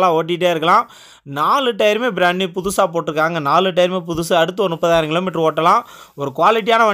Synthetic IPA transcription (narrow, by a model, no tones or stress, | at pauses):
lãːoːʈ̬ːiʈ̬ːeːɪɾɯkːɐlãː | naːlɯʈːɐjɾmeːbɪɾaːɳːipʊðʊsaːpoːʈːɪɾɯkːaːŋɡɐnaːlɯʈ̬ːɐjɾmeːp̬ʊðʊsɯɐɽɯt̪ːɯɔɾɯnmʊpːɐðaːɾɐŋɡɪɭɐmːɪʈɾɯoːʈːɐlãː | ɔɾɯkʊʋaːlɪʈ̬ːɪjaːnɐʋɐ